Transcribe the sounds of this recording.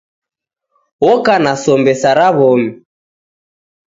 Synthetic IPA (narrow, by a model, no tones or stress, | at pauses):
wɔkanasɔmbɛsaɾaβɔmi